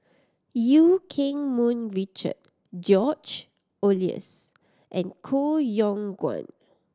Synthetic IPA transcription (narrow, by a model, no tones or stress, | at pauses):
jukʰĩŋmũnɹit͡ʃə̰d̚ | d͡ʒɔt͡ʃ | oliə̰s | ʔɛ̃nkʰojɔ̃ŋɡwã̰n